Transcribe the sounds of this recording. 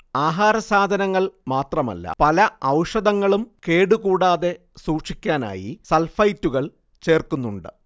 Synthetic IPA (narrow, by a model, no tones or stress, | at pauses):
aːɦaːɾɐsaːd̪ʱɐnɐŋːɐɭmaːt̪rɐmɐ̰lːɐ̰pɐlɐɐwʂɐd̪ɐŋːɐɭumke̞ːɽukuːɽaːðe̞ | suːʈʂikʲːaːna̰ːjḭsɐlfɐjtːuɣɐɭ | t͡ɕe̞ːrkunːuɳɖɨ̰